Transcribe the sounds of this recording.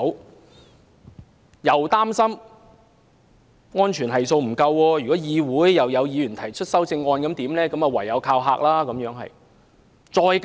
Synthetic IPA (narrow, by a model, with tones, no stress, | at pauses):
w | jɐ˨wt̪aː˥msɐ˥m | ŋɔː˥nt͡ʃʰyː˨˩nɦɐ˨jso˧wm̩˨˩kɐ˧wːɔː˧jyː˨kɔ˨˥jiː˨˧wuː˨˥jːɐ˨wjɐ˨˧wjiː˨˧jyː˨˩nt̪ʰɐ˨˩jt͡ʃʰɵ˥t̚sɐ˥wt͡sɪ˧ŋːɔː˧nkɐ˨˥mt̪iː˨˥mlɛː˥kɐ˨˥mɐ˨wɐ˨˩jjɐ˨˧wkʰaː˧wɦaː˧k̚laː˥kɐ˨˥mjœː˨˥ŋɦɐ̰˨j | t͡sɔː˧jk